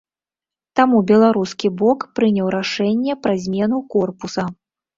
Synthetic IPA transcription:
t̪amubʲɛlˠaɾuskʲibɔkpɾɨnʲɐwɾaʂɛnʲːɛpɾɐzʲmʲɛnukɔrpusɐ

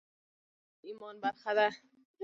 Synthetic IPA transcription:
imɔnbaɾχad̪a

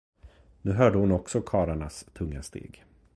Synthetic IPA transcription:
nʉ̟ːɦœːɖəhʊnɔksɔkʰɑːɾaɳast̪ʰɵŋːast̪ḛːɡ

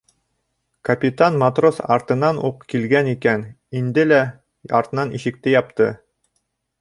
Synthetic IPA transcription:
kɐpʲit̪anmɐt̪rosɑ̰ɾt̪ɤ̆nɑnuqkilɡænikæn | ind̪ɘlæ | ɑ̰ɾt̪ɤ̆nɑniʃɘ̆k̚t̪ɘjɑpt̪ɤ

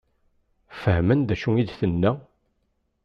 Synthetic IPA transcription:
fəhmənd̪æʃuŋid̪θənːæ

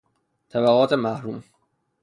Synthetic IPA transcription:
t̪ʰæbæɣɒːt̪ʰemæhɾuːm

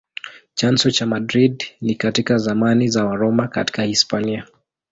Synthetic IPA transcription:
t͡ʃansɔt͡ʃamadɾidnikatikazamanizawaɾɔmaka̰ti̥kahispania

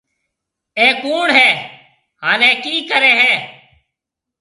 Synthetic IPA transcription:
eːkoːɳɦɛː | ɦaːnẽːkiːkəɾeːɦɛ̃ː

